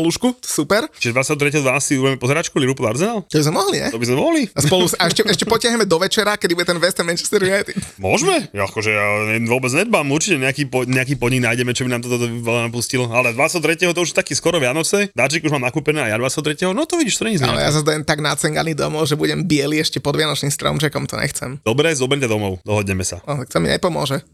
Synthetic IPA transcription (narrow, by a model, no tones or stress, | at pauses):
luʃkusupɛɾt͡ʃiʒɛd̪ʋat͡sɛɦɔt̪ɾɛcɛɦɔd̪ʋanasiubɛɛmɛpɔzɛɾat͡ʃkuliɾupɔd̪aɾzɛnaːlt̪ɔbizmɛmɔɦliɲɛ̰t̪ɔbizmɛmɔɦlispɔlusaɛʃcɛɛʃcɛpɔcɪaɦɲɛmɛd̪ɔʋɛt͡ʃɛɾakɛd̪ibuɟɛt̪ɛnʋɛst̪ɛnmɛnt͡ʃḁst̪ɛɾʋɪat̪mʊɔʒmɛakɔʒɛaɛʋʊɔbɛd͡zɲɛd̪̚bamuɾt͡ʃicɛɲɛakipɔɲɛak̬iːpɔd̪ɲiɡnajɟɛmɛt͡ʃɔbinaːmt̪ɔt̪ɔt̪ɔʋɛlanapuscilɔalɛd̪ʋat͡sɛɦɔt̪ɾɛcɛɦɔt̪ɔuʒjɛt̪akiːskɔɾɔʋɪanɔt͡sɛd̪at͡ʃikuʒmaːmnakuːpɛnɛːajad̪ʋat͡sɛɦɔt̪ɾɛcɛɦɔnɔt̪ɔʋiɟiːʃt̪ɔɲɛɲiza̰lɛ̰ja̰sazd̪ajɛmt̪aɡnat͡sɛŋɡanid̪ɔ̰mɔʊʒɛbuɟɛmbɪɛliɛʃcɛpɔd̪ʋɪanɔt͡ʃniːmst̪ɾɔ̰ʊmt͡ʃɛkɔmt̪ɔ̰ɲɛ̰xt͡sɛ̰md̥̪ɔbɾɛzɔbɛɾmcad̪ɔmɔʊd̪ɔɦɔd̪ɲɛmɛsa̰ɔakt͡s̪ɛmḭɲɛ̰pɔmʊɔ̰ʒɛ